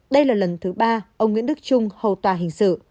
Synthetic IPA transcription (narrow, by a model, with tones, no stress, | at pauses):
ɗə˧jlaː˨˩lə˨˩nt̪ʰɨ˨˦ɓaː˧ʔə˧wŋ͡mŋwḭ˧˥ənɗɨ˦˥k̚t͡ɕʊ˧ŋ͡mhə̰˨˩wt̪waː˨˩ɦï˨˩ŋ̟sɨ̰˧˨